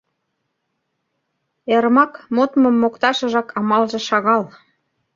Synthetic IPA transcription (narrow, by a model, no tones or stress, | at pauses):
eɾmɑkmot̪mɤ̆mːokt̪ɑʃə̆ʒɑkɑmɑlʒĕʃɑɣɑl